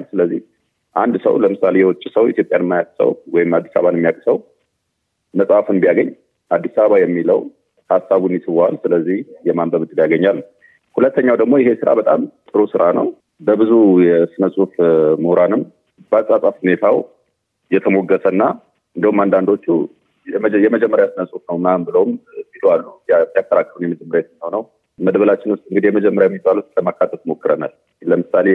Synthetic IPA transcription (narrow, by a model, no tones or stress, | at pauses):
lsɨləzːih | ʔand̪sə̰wləmɨsalejɛwɔt͡ʃʼːisəwit̪ʰjo̞pʼjanmːajat̪ʼsə̰wwɔjɪmad̪ːi̥saβanmːijakʼsəw | məsʼafɨnbijaɡəɲː | ʔad̪ːisaβəβajɛmːiləw | hasːaβunjɪsɨβoalsɨləzːihjɛmambəβɨt̪ʼɨljaɡəɲːalː | hulət̪ʰːəɲːawd̪əɡmo̞jɪhesɨɾa̰bət̪ʼa̰mt̪ʼɨɾusɨɾanə̰w | bəbɨzujɛsɨnəsʼufməhɾanɨm | basʼasʼafhune̞t̪ʰaw | jɛt̪ʰəmo̞ɡːəsənːa | ɨnd̪əhumand̪and̪o̞t͡ʃːu | jɛməd͡ʒɛmːəɾjasɨnəsʼufnəwnambɨləwmsiloalːudijakːəɾakːəlunjɛmɨd͡ʒɨmːəɾet̪mihownəw | məd̪bəlat͡ʃːɪnwʊst̪ʼɨŋɡɨd̪ijɛməd͡ʒɛmːəɾjajɛmːizbalut̪ləmakːat̪ʰːəfmo̞kːɨɾəna̰l | ləmɨsale